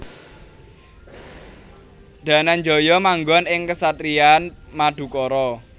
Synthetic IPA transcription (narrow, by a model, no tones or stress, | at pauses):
d̪̥ä̤nanɲd͡ʒɔ̤jɔmaŋɡɔnɪŋkəsat̪ɾianmaɖ̪̥ṳkɔɾɔ